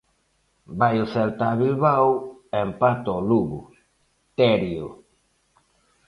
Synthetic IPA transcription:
bajlselt̪aβilβawempat̪oluβṵ | t̪eɾiu

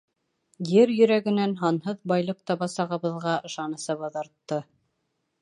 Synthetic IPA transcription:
jɘɾjɵ̆ɾæɡɘ̆nænɦɑnɦɤðbɑjlˠɤq̚t̪ɑβɑsɑʁɤ̆βɤ̆ðʁɑɤ̆ʃɑnɤ̆sɤβɑðɑɾt̪ːɤ

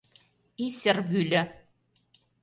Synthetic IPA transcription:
isɘ̆rvylʲɘ̆

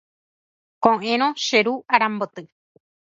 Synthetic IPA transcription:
kõʔẽɾ̃õʃeɾuaɾãmbot̪ɨ

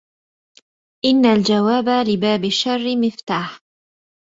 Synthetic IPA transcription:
ʔɪnːald͡ʒawaːbalɪbaːbɪʃːɑrˤːɪmɪft̪aːħ

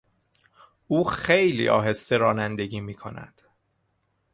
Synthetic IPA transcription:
ʔuːxe̞jlḭːʔɒ̰ːɦe̞st̪eɾɒːnænd̪e̞ɟiːmiːkʰo̞̰næ̰d̪̥

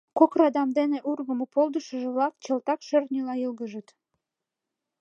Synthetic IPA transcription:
kokrɑd̪ɑmd̪eneʔurɣəmopolˠd̪əʃəʒĕβlɑkt͡ɕə̆lt̪ɑkʃørnʲilɑjəlɣəʒət̪

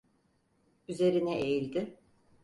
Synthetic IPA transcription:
yze̞ɾinɛejilʲd̪ɪ

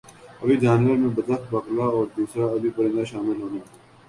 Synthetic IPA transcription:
ɐbid͡ʒaːnʋəɾmẽbɐd̪əxt̪̚bɐklaɔːɾd̪uːsɾaɐbʱipɐɽẽnd̪aʃaːmɪlɦoːnãː

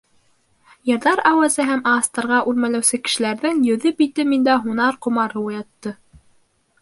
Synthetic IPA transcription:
jɤ̆ɾðɑɾæwæzɘɦæmɑst̪ɑɾʁɑʔʉɾmælæwsɘkɘ̆ʃɘ̆læɾðɘŋjɵ̆ðɘpit̪ɘmind̪æɦunɑɾqŏmɑɾɤujɑt̪ːɤ

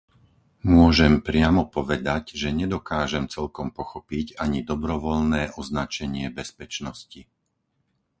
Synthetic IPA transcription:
mʊɔʒɛmpɾɪamɔpɔʋɛd̪aɟʒɛɲɛd̪ɔkaːʒɛmt͡sɛlkɔmpɔxɔpiɟaɲid̪ɔbɾɔʋɔlnɛːʔɔznat͡ʃɛɲɪɛbɛspɛt͡ʃnɔsci

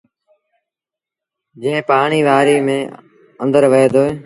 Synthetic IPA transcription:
d͡ʒẽːpaːɳiːʋaːɾiːmẽː | ənd̪əɾʋeːd̪oːeː

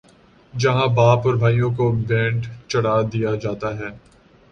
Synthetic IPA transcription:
d͡ʒɐɦãbaːpɔːɾbʱaːijõkobɛ̃ːɳɖt͡ʃɐɽ̤aːd̪ijad͡ʒaːt̪aɦɛː

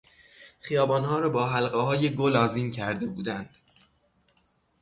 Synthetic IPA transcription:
χijɒːbɒːnhɒːɾɒːbɒːɦælɢeɦɒːjeɡolɒːziːncʰæɾd̪e̞buːd̪ænd̪̥

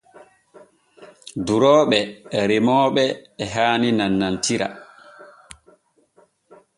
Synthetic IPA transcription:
duɾɔːɓɛɾemɔːɓɛːɦaːninanːantiɾa̰

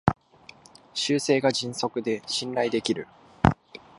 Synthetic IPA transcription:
ɕɨːse̞ːɡad͡ʑĩɰ̃so̞kɯ̟d̪e̞ɕĩnɾaid̪e̞kʲiɾɯ̟

